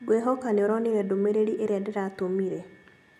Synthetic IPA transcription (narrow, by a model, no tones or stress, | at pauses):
ɡweɦɔkaneoɾɔniɾɛdomeɾeɾiʔeɾeadeɾatomiɾe